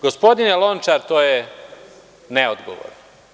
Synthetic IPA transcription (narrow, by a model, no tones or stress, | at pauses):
ɡospo̞d̪injelˠont͡ʃaɾt̪oːje | neod̪ɡo̰ʋo̰ɾno